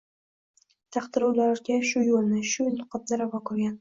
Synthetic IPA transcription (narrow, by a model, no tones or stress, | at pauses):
t̪ʰɑχt̪ɪɾuwlaɾɡʲaʃʊjolnɪʃʊjnʊqʰɑt̪zaɾavakʰʊɾɡʲan